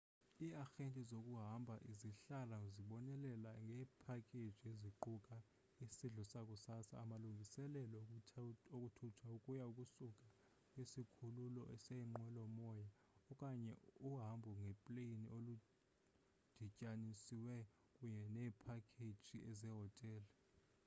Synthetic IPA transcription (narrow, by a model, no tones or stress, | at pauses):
iaxentʼizokʼuɦambʱaʔiziɬalaziɓɔnɛlɛlaŋɡʱɛːpʰakʰʼed̥ʒ̥ʱieziǃukʼa | isiɮɔsakʼusasa̰ːmaluŋɡʱisɛlɛlɔ | okʼutʰutʰwaukʼujaukʼusukʼa | kʼwesikʰululɔ̰ʔɛsɛŋ͡ǃwɛlɔmɔja | ɔkʼaɲɛ̰uɦambʱuŋɡʱɛpʼleiniʔolu | d̥ʱicʼanisiwɛ | kʼuɲɛnɛːpʰakʰed̥ʒ̥ʱiɛzɛɦɔtʼɛːlɛ